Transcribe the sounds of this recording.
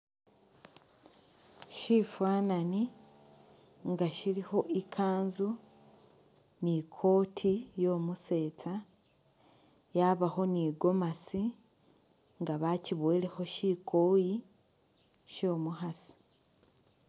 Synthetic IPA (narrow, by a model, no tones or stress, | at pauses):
ʃifwaːnani | ŋɡaʃiɾiho̞ʔikʰaːnzu | nikʰo̞ːtʰijoːmuse̞ːt͡sa | jaβaho̞niːɡo̞masi | ŋɡaβaciβwe̞ːleho̞ʃiːkʰoːji | ʃo̞ːmuɦasi̥